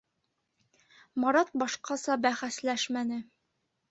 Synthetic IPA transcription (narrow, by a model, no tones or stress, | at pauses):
mɒɾɑt̪̚bɒʃqɑsɑbæχæslæʃmænɘ